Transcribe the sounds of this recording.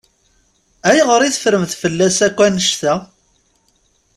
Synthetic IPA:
æjʁəɾˤiθəfɾəmθfəlːæsækʷːænəʃθæ

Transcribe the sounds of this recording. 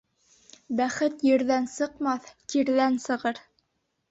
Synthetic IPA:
bæχɘt̪jɘ̆ɾðænsɤ̆qmɑθt̪iɾðænsɤ̆ʁɤɾ

